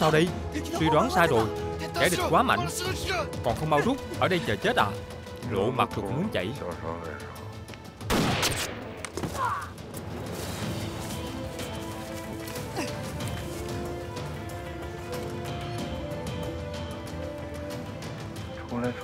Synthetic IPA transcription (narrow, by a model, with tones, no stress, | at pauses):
saː˧wɗə˧jswi˧ɗwaː˨˦nsaː˧jɗo˨˩jt͡ɕaː˧˩jɗi˨˩kwaː˨˦ma̰˧˨jŋ̟kɔ˨˩nxə˧wŋ͡mɓaː˧wzu˦˥t̚ʔəː˧˩ɗə˧jt͡ɕəː˨˩t͡ɕe˦˥t̚ʔla̰ː˨˩ | lo̰˧˨ma˨˩k̚t̪̚ʰmu˨˦ənt͡ɕə̰˧˨j